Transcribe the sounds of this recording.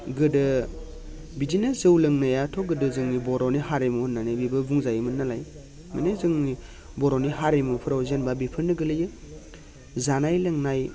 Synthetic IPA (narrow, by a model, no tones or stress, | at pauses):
ɡɯdɯ | bidinezɯwlɯŋnajatʰɔɡɯdɯzɯŋnibɔɾɔnihaɾemuhunːanɯbibɯbuŋzajɯmɯnːalaj | mɯ̰nezɯŋni | bɔɾɔniɦaɾemupʰɯɾawzenbabipʰɯɾnɯɡɯlɯjɯ | zanajlɯŋnaj